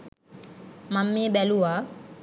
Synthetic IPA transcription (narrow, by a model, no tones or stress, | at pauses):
mamːɪbɛluwa